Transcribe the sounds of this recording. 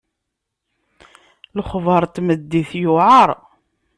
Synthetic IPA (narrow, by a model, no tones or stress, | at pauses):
ləχvəɾˤt̪məd̪ːiθjʊʕɑɾˤ